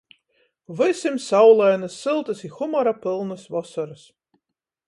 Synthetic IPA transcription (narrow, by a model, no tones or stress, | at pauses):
vɨsʲɨmsawlˠajnɨsːɨlˠt̪ɨsixumɔɾapɨlˠnɨsvɔsɐɾɨs